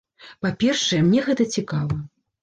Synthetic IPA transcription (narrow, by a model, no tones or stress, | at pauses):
papʲɛrʂɐjɛmnʲɛɣɛt̪ɐt͡sʲikavɐ